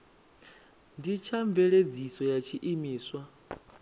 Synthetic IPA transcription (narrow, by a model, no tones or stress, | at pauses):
ndit͡ʃʰaɱbvɛɺed͡zisɔjat͡ʃʰiʔimiːswa